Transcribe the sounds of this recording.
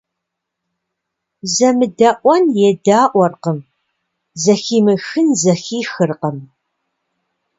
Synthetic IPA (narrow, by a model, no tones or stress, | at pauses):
zɐmɨdɐʔʷɔnjɛdaːʔʷɔrqəm | zɐxiːmɨxɨnzɐxiːxɨrqəm